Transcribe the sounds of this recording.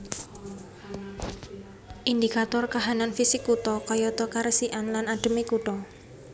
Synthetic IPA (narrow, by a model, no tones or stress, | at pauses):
ʔind̪ikat̪ɔrkaɦananfisɪkːut̪ɔkɔjɔt̪ɔkaɾəsiʔanlanaɖ̥ə̤mikuʈɔ